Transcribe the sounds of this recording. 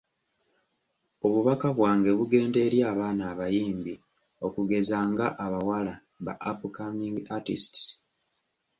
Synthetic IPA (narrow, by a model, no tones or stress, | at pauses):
o̞βuβakaβwaːŋɡe̞βuɡe̞ːnde̞ɾjaːβaːnaːβajiːmbi | o̞kuɡe̞zaːŋɡaʔaβawala | βa̰ʔapukamiŋɡatḭsts